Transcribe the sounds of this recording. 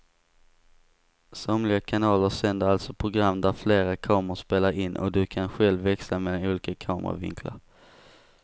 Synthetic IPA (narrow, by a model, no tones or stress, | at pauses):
sɔmlɪɡakʰanɑːləʂɛnd̪əɾalt̪sɔpʰɾʊɡɾamːd̪æɾfleːɾakʰɑːmʊʂpeːlaɾɪnːʔɔ̰d̪ɵkʰanɧɛlvːɛksameːlanuːliːkakʰɑːmə̰ɾa̰vɪ̰ŋkʰla̰ɾ